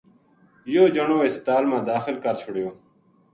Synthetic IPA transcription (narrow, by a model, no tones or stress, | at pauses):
joːd͡ʑəɳoːɪst̪aːlmãːd̪aːxɪlkɐɾt͡ɕʰʊɽjoː